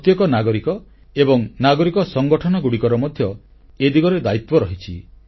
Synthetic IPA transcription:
t̪jɔkɔnaɡɔɾikɔ | ebɔŋnaɡɔɾikɔsɔŋɡɔʈʰɔnɔɡuɽikɔɾɔmɔd̪ʱjɔ | ed̪iɡɔɾed̪ait̪wɔɾɔɦit͡ʃʰḭ

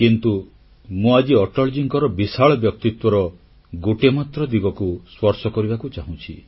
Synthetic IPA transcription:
kint̪u | mũad͡ʒiɔʈɔld͡ʒiŋkɔɾɔbisaɭɔbjɔk̚t̪it̪wɔɾɔ | ɡoʈemat̪ɾɔd̪iɡɔkuswɔɾsɔkɔɾibakut͡ʃaɦũt͡ʃʰi

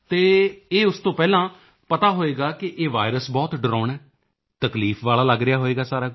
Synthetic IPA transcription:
t̪eːeːʊst̪õːpɛːlãː | pət̪aːɦoːeːɡaːkɪʔeːʋa̰ːɪɾəsbɔːt̪ɖəɾɔːɳɛː | t̪əkliːfʰʋaːlaːləɡɾɪjaːɦoːeːɡaːsaːɾaː

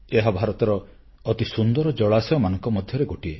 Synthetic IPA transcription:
eɦabʱaɾɔt̪ɔɾɔː | t̪isund̪ɔɾɔd͡ʒɔɭasɔɔmanɔ̃ŋkɔmɔd̪ʱjɔɾeɡoʈie

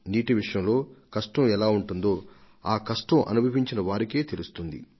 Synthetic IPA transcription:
niːʈiʋiʂɐjɐmlo̞ːkɐʂʈɐ̃mɛlaːuɳʈund̪o̞ː | aːkɐʂʈɐ̃mʔɐ̰nubʱɐpiɲt͡ʃinɐʋaːɾike̞ːt̪e̞lust̪und̪ḭ

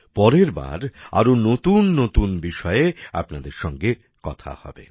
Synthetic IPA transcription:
pɔɾeɾba̰ɾa̰ɾonot̪unːot̪unbiʃɔea̰pnad̪eɾʃɔŋɡe | kɔt̪ʰa̰hɔ̰bḛ

